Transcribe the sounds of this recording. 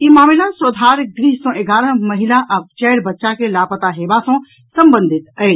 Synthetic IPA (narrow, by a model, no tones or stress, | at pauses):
imaːmilasəd̪ʱaɾɡɾiɦsɔ̃ʔeɡaːɾə̃məɦilaʔəb̚t͡ʃɛːɽbətːʃakelapət̪aɦebasɔ̃ | səmbənd̪ʱit̪əɪɽ